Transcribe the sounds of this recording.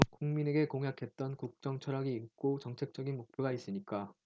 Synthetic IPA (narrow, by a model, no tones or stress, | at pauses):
kuŋmine̞ɡe̞koŋɦjakʰe̞t̚t͈ʌnkuk̚t͡ɕ͈ʌŋt͡ɕʰʌɾaɡiːk̚k͈ot͡ɕʌŋt͡ɕʰe̞k̚t͡ɕ͈ʌɡinmok̚pʰjoɡais͈ɯɲik͈a